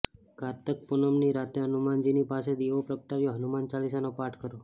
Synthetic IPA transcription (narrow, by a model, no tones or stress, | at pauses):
kaɾt̪ək̚punəmniɾat̪eɦənumand͡ʑinipased̪iʋopɾəkʈaɾjoɦənumant͡ʃalisanopaʈʰkəɾo